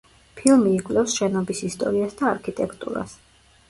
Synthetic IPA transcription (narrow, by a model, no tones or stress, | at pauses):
pʰilˠmiːkʼvlɛfsʃɛnɔbisist̪ʼɔ̰ɾiasd̪aːɾkʰit̪ʼɛkʰt̪ʼṵɾa̰s